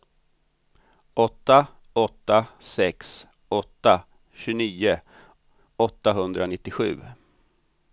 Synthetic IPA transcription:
ɔt̪ːa | ɔt̪ːasɛks | ɔt̪ːa | ɕɵniːʊ | ɔt̪ːaɦɵnd̪ɾanɪt̪ːɪɧʉ̟̰ː

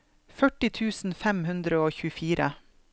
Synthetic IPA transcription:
fœʈɪt̪ʰʉːsn̩fɛmhʉnd̪ɾəoːçʉːəfiːɾʔə

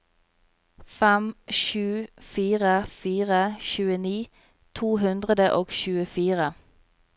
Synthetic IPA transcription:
fɛmʃʉːfiːʁəfiːʁəʃʉːəniː | t̪ʰuːɦʉnd̪ʁəd̪əʔoːɡʃʉːəfiːʁə

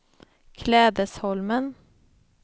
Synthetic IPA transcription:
kʰlɛːd̪əshɔlmən

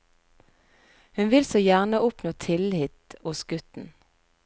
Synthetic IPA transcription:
hʉnʋɪlsoːjæʁnəʊpnoːt̪ʰɪlhɪt̪ʊsɡ̥ʉt̪n̩

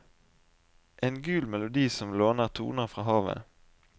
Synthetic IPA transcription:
ʔɛnɡʉːlmɛlʊd̪iːsɔmloːnəʁt̪ʰṵːnəʁfʁɑːɦɑːʋə̰

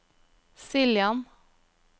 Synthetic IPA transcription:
sɪljɑn

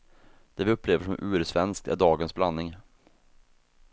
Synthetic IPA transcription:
d̪̥ɛːvɪɵpːleːvəʂɔmʔʉːɾsvɛnsk̚t̪æ̰ɖɑːɡənsblanːɪŋ

